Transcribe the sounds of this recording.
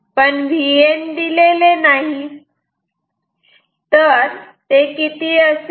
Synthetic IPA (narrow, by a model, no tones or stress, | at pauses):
pəɳʋʱiend̪ilelenaɦi | t̪əɾt̪ekit̪iːəs